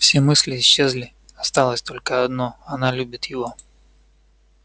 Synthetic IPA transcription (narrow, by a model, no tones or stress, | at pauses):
fsʲe̞mɨsʲlʲɪːɕːezlʲɪ | ɐst̪alˠəsʲt̪o̞lʲkəɐd̪no̞ɐnalʲubʲɪt̪jɪvo̞